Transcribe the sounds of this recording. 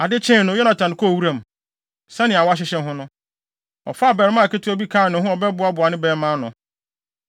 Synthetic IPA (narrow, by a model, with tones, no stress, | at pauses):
a˨dɪ˦t͡ɕʰɛ̃˦˨nʊ̃˨˦jɔ˦na˨tʰã˨n˨kʰɔ˦˨wu˦ɾã˦˨m˨ | sa˦nɪ̃˨a˨wa˦ɕ̬ɪ˦ɕɛ̃˦ɦʊ̃˦nʊ̃˦ | ɔ̰˨fa˦˨bɛ˨ɾɪ˦mã˦˨ke˦tʰɪ˦ɔ˦bi˦kʰaː˦˨nɪ̃˨˦ɦʊ̃˦ɔ˨bɛ˦bʊ˨˦a˦bʊ˨a˨nɪ̃˦bɛː˨˦mã˦nʊ̃˨